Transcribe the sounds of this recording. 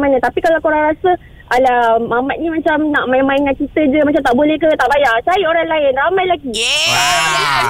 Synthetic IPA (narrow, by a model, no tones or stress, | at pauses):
manət̪apikalawkoɾaŋɾasə | ʔalamamat̪̚ɲimat͡ʃamnaʔmaɪmaɪŋan̚t͡ʃit̪əd͡ʒəmat͡ʃamt̪aʔbolɛhkət̪aʔbajat͡ʃajəoɾaŋlaɪnramajlaɡiaalaia